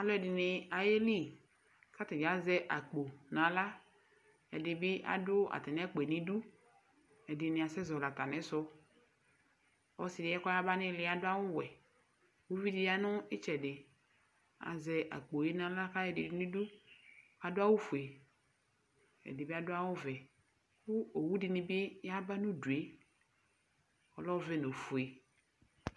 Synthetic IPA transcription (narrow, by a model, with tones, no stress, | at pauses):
a˨lɔ˦ɛ˨dɪ˨nɪ˨a˨je˦li˦ | ka˦t̪ɪ˨d͡ʒa˨˦zɛ˦ʔa˨k͡po˨nã˨la˦ | ɛ̰˨dɪ˨bɪ˦ʔa̰˨dʊ˦a̰˨t̪ɛ˨n˦ɛ˦k͡pɛ˨nĩ˦du˦ | ɛ˨dɪ˨nɪ̃˨a˨sɛ˦zɔ˨la˨t̪a˨nɛ˨˦sɔ˦ | ɔ˦sɪ˨dɪ˨˦ɛ˦kɔ˦a˦ba˦nɪ˦lɪ˦a˨dʊ˦a˦wʊ˦wɛ˨ | wu˦vi˦dɪ˨ja˦nʊ̃˦ɪ˦t͡ʃɛ˨dɪ˨ | a̰˨zɛ˨ʔa̰˨k͡po˨je˦nã˨la˦ka˦jɛ˨dɪ̰˨dnĩ˦du˦ | a˨dʊ˦a˦wʊ˦fu˨e˨ | ɛ̰˨dɪ˨be˦a˦dʊ˦a˦wʊ˦vɛ˨ | wu˦o˨wu˦dɪ˨ni˨be˦ja˦ba˦nũ˦du˨e˨˦ | ɔ˨lɔ˦vɛ˦no˨fu˨e˨